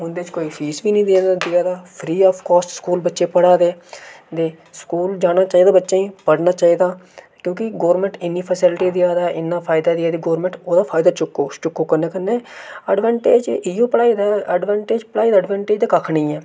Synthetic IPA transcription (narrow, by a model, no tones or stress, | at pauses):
ʊnd̪eːt͡ʃkoːiːpʰiːsbiːnĩːd̪eːnd̪ɪaːd̪aːpʰɾiːɔːfkɔːsskuːlbətːʃeːpəɽaːd̪eː | d̪eː | skuːld͡ʒaːɽ̃aːt͡ʃaːiːd̪aːbətːʃeːĩːpəɽnaːt͡ʃaːiːd̪aː | kjõːkɪɡoːɾmɛ̃ɳʈɪnːiːpʰəsɪlʈiːd̪ɪaːd̪aːʔɪnːaːpʰaːɪd̪aːd̪ɪaːd̪iːɡoːɾmɛ̃ɳʈoːd̪aːpʰaːɪd̪aːt͡ʃʊkːoːt͡ʃʊkːoːkəɾnẽːkəɾneːəɖʋãːɳʈeːd͡ʒɪjoːpəɽaːiːd̪aːəɖʋaːɳʈeːd͡ʒpəɽaːiːd̪aːɖʋɛ̃ːɳʈeːd͡ʒd̪aːkəkʰɳĩːɛː